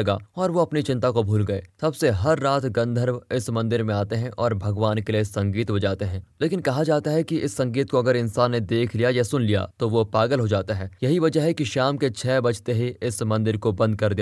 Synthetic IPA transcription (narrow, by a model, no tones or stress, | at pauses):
ɐɡa̰ːɔːɾʋoɐpnit͡ʃɪ̃nt̪akobʱuːlɡɐḛːsɐbseɦɐɾːaːt̪ɡɐ̃nd̪ʱəɾʋɪsmɐ̃nd̪ɪɾmẽaːt̪eɦɛ̃ʔɔːɾbʱɐɡʋaːnkelesɐ̃ŋɡiːt̪ɦod͡ʒaːt̪eɦɛ̃ːleːkɪnkɐɦad͡ʒaːt̪aɦɛkiʔɪsːɐ̃ŋɡiːt̪̚koɐɡəɾɪ̃nsaːnːed̪eːkʰlijajɐsʊnlija̰t̪oʋopaːɡəlɦod͡ʒaːt̪aɦɛːjɐɦiʋɐd͡ʒəɦɛkiʃaːmket͡ʃʰɛːbɐt͡ʃʰt̪eɦiɪsmɐ̃nd̪ɪɾkobɐ̃nd̪̚kɐɾd̪ija